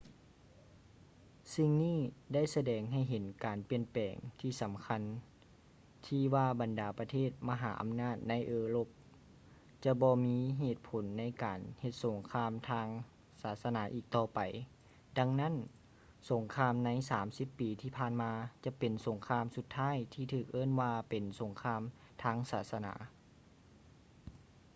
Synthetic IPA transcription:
si˧ŋniː˥˩da˥˩˨jsa˧dɛː˨˩ŋɦa˧˩jɦe˨˦nkaː˨˩npi˧˨ənpɛː˨˩ŋt̪ʰiː˧˩sa˨˦mkʰa˧˥n | t̪ʰiː˧waː˧ba˨ndaː˨˩pa˧t̪ʰeː˥˩t̪̚ma˧ɦaː˩˦ʔa̰˨mnaː˥˩t̪̚na˧˥jʔɤː˧lo˧˩p̚ | t͡ɕa˧bɔː˧miː˧˥ɦeː˧˩t̪̚pʰo˨˦nːa˧˥jkaː˨˩nhe˧t̪̚so˨˩˦ŋkʰaː˧˥mt̪ʰaː˧ŋ | saː˨˩˦t̪̚sa˧naː˨˩˦ʔiː˨˩k̚t̪ɔː˧pa˨˩j | da˧ŋna˦˥˨n | so˩˦ŋkʰaː˧mna˧˥jsaː˩˦msi˧˦pːiː˨t̪ʰiː˧pʰaː˧˨nmaː˧t͡ɕa˧pe˨˩nso˩˦ŋkʰaː˧˨msu˧t̪ʰːaː˥˨jt̪ʰiː˧t̪ʰɯː˧˩k̚ʔɤː˥˨nwaː˧pe˨˩nso˨˩˦ŋkʰaː˧m | t̪ʰaː˧˥˨ŋsaː˩˦t̪̚sa˧na̰ː˩˦

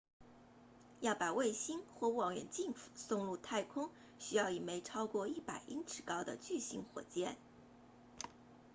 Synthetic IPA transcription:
jɑ˥˩ʊpa˨˩we˥˩ɪɕi˥nxwɔ˥˩u˥˩wɑ˨˥ŋjɥɛ̰˨˩nt͡ɕi˥˧ŋfu̥˨˩sʊ˥˧ŋlu˥˧t̪ʰa˥˩ɪkʰʊ˥ŋ | ɕy˥jɑ˥˩ʊi˨˩me˧˥ɪʈ͡ʂʰɑ˥ʊkwɔ˥˧i˥˩pa˨˩ɪʔi˥ŋʈ͡ʂʰɻ̩˨˩kɑ˥ʊd̪ə˨t͡ɕy˥˩ɕi˧˥nxwɔ̰˨˩t͡ɕjɛ̰˥˩n

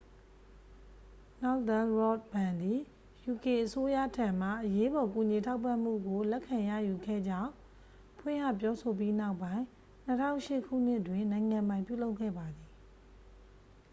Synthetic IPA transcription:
na˦ʊt̪ã˦ɹɔ˦˨t̚bã˨nd̪i˨ | ju˨ke˨ʔəso˦jä̰˦˨tʰã˨m̥a̰˦˨ʔəje˦bɔ˨ku˨ɲi˨tʰa˦ʊpã˦˨m̥ṵ˦˨ɡo˨lɛ˦ʔkʰːã˨ja̰˦˨ju˨ɡɛ̰˦˨d͡ʑã˦˨ʊ̃ | pʰwɪ̰̃˦˨ŋa̰˦˨p̬jɔ˦so˨p̬ji˦na˦ʊpːã˦ɪ̃ | n̥ətʰã̰˦ʊ̃ʃɪ˦ʔkʰṵ˦˨n̥ɪ˦ʔtwɪ̃˨nã˨ɪ̃ŋã˨mbã˨ɪ̃pjṵ˦˨lo˦ʊʔkʰːɛ̰˦˨ba˨d̪i˨

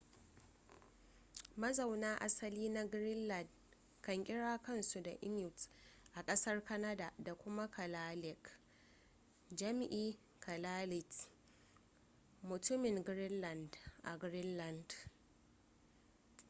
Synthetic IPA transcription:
mɐ˦zɐ˨wnaː˦ʔa˦sɐ˦liː˦na˦ɡɾɪ˦nlɐ˨nd | kɐ˨ŋkʲʼɪ˦ɽaː˦kɐ˦nsu˨da˨ʔɪ˦mjʊ˨tʔa˨kʼɐ˦sɐ˦rkɐ˦na˦da˨da˨kʷʊ˦ma˦kʰɐ˨laː˦lɪ˨k | d͡ʒɐ˦m˦ʔiː˦ | kʰɐ˨laː˦lɪ˨t | mʊ˨tʊ˦mɪ˨ŋɡɾɪ˦nlɐ˨ndʔa̰˨ɡɾɪ˦nlɐ˨nd

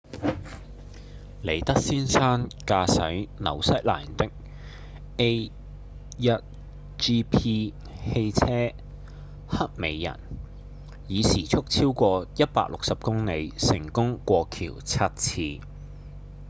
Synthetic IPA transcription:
le˨˩jt̪ɐ˥k̚siː˥nsaː˥nkaː˧sɐ̰˨˥jnɐ̰˨˩wsɐ˥t̚la̰ː˨˩nt̪ɪ˥k̚ | e˥j | jɐ˥t̚ | t͡ʃiː˥pʰiː˥ | he˧jt͡sʰɛː˥ | hɐ˥t̚me˨˧jːɐ̰˨˩n | jiː˨˧siː˨˩t͡sʰʊ˥k̚t͡sʰiː˥wkʷɔː˧jɐ˥t̚pa̰ː˧k̚lʊ˨k̚sɐ˨p̚kʊ˥ŋne˨˧jsɪ˨˩ŋkʊ˥ŋkʷɔː˧kʰḭː˨˩wt͡sʰɐ˥t̚t͡sʰiː˧

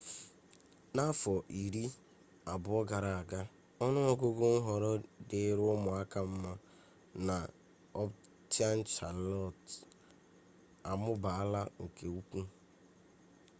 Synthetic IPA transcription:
na˦fɔ˨ʔi˨ɾi˦ | a˨bʊ˨ɔ˦ɡa˨ɾa˨a˨ɡa˦ | ɔ˦nʊ˦ɔ˦ɡo˦ɡʊ˦ŋ̩˦ɦɔ˨ɾɔ˦dɪ˨˦ɾʊ˦mʊ˨a˦ka˦m̩˦ma˦ | na˨ | ɔ˦p | tja˦n̩˦t͡ʃa˨lɔ˦˨t | a˨mʊ˦ba˨a˦la˦ŋ̩˨ke˨u˦kʷu˦

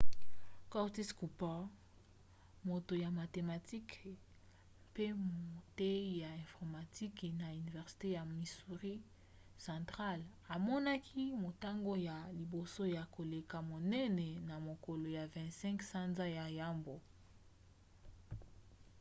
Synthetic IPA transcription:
ka˦ti˦sku˨pa˦ | mo˨to˨ja˨ma˨te˨ma˨ti˦k | pe˦mo˨te˦ja˨ɛ̃˨fɔ˨ʁma˨ti˦kna˨y˨ni˨vɛ˨ʁsi̥˨te˦ja˨mi˨su˨ʁi˦ | sã˨tʁa˦l | a˨mɔ˦na˦kʰi˦mo˨ta˦ŋɡo˦ja˨li˨bo˨so˦ja˨ko˨le˨ka˨mo˨nɛ˦nɛ˨na˨mo˨ko˨lo˨ja˨vɛ̃˨ntsɛ̃˦ŋksa˦nza˦ja˨ja˦mbo˨

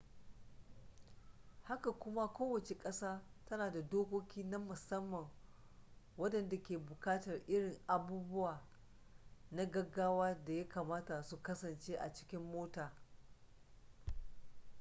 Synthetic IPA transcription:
ha˦ka˨kʷʊ˦ma˦kʷoː˦wɐ˨t͡ʃe˨kʼɐ˦saː˦tɐ˦naː˨da˨doː˦kʷo˦kʲiː˦na˦mʊ˨sɐ˦mːɐ˨ŋ | wɐ˦dɐ˨nda˨kʲeː˨bʊ˨kaː˦tɐ˨rʔɪ˦ɽɪ˨ŋʔa˨buː˦bʊ˦waː˨ | na˦ɡɐ˦ɡaː˦waː˦da˨ja˦kaː˨maː˦ta˨su˨kɐ˦sɐ˨nt͡ʃeː˦ʔa̰˨t͡ʃɪ̥˦kʲɪ˦mːoː˦taː˨

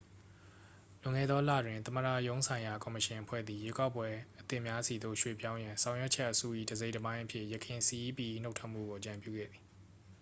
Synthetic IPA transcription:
lʊ̃˨ŋɛ̰˦˨d̪ɔ˦lä̰˦˨dwɪ̃˨nt̪əmə˨dä̰˦˨jõ˦ʊ̃sʰã˨ɪ̃ja˨kɔ˨məʃɪ̃˨ʔəpʰwɛ̰˦˨d̪ði˨je˦ka˦ʊpːwɛ˦ʔət̪ɪ˦mja˦si˨d̪o̰˦˨ʃwḛ˦˨pjã˦ʊ̃jã˨sʰã˨ʊ̃jwɛ˦ʔt͡ɕʰɛ˦ʔəsṵ˦˨ʔḭ˦˨dəze˦ɪʔtəbã˦ɪ̃ʔəpʰjɪ̰˦ʔjəkʰɪ̃˨si˨ʔi˦pi˨ʔi˦n̥o˦tʰwɛ˦ʔm̥ṵ˦˨ɡo˨ʔət͡ɕã˨mpjṵ˦˨ɡɛ̰˦˨d̪ði˨

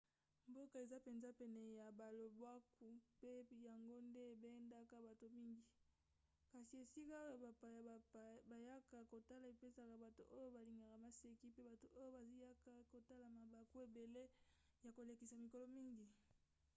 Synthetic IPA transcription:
mbo˦ka˨e˨za˦pe˨nza˦pɛ˨nɛ˨ja˨ba˨lo˨bwa˦ku˨pe˦ja˨ŋɡo˦nde˦˨be˦nda˦ka˦ba˨to˨mi˦ŋɡi˨ | ka˨si˨e˨si˦ka˦o˦˨a˨pa˨ja˨a˨ba˨ja˦ka˨ko˨ta˦la˨i˨pe˦sa˨ka˨ba˨to̰˨ʔo˦jo˦ba˨li˨ŋɡa˨ka˨ma˨se˨ki˦pe˦ba˨to˨ʔo˦jo˦ba˨zi˦ja˦ka˦ko˨ta˦la˨ma˨ba˨ku˦e˨be˨le˦ | ja˨ko˨le˨ki˨sa˨mi˨ko˨lɔ˦mi˦ŋɡi˨

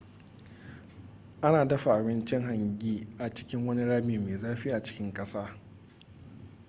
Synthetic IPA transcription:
ʔa˦naː˨dɐ˦ɸa˨ʔa˨bɪ˦nt͡ʃɪ˦ŋɦa˨ŋɡʲiː˦ʔa˨t͡ʃɪ̥˦kʲɪ˦ŋwɐ˦ni˦ɽaː˦miː˨meː˨zaː˦ɸiː˦ʔa˨t͡ʃɪ̥˦kʲɪ˦ŋkʼɐ˦saː˦

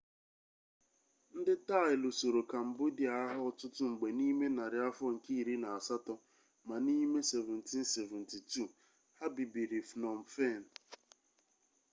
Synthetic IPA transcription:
n̩˦dɪ˦ta˦˨ɪ˨lo˨so˨ɾo˨ka˨m̩˨bʊ˦di˨a˨a˦ɦʊ˦ɔ˨tʊ˦tʊ˦ŋ͡m̩˨ɡ͡be˨ni˦me˦na˨ɾɪ˨a˦fɔ˦ŋ̩˨ki˦i˦˨ɾi˦na˨a˨sa˦tɔ˦ | ma˨ni˦me˦se˨vɛ˨n̩˨ti˦n̩˦se˨vɛ˨n̩˨ti˨tu˦˨ | ha˦bi˨bi˨ɾi˨fnɔ˨m̩˨fe˦˨n̩˨

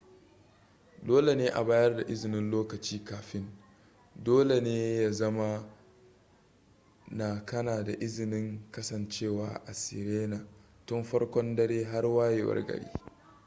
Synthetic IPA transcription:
doː˦le˨neː˦ʔa̰˨baː˦jɐ˦rda˨ʔɪ˦zɪ˨nɪ˦nloː˦kɐ˨t͡ʃiː˦kaː˨ɸɪ˦n | doː˦le˨neː˦ja˨zɐ˦ma˦ | na˨kɐ˦naː˨da˨ʔɪ˦zɪ˨nɪ˦ŋkɐ˦sɐ˨nt͡ʃeː˦˨waː˨ʔa˨sɪ̰˨ɾeː˦na˨ | tɔ˦mɸɐ˦rkʷɔ˦ndɐ˦ɽeː˦ɦa˦rwaː˦je˨wɐ̰˦rɡɐ̰˨ɽḭː˦

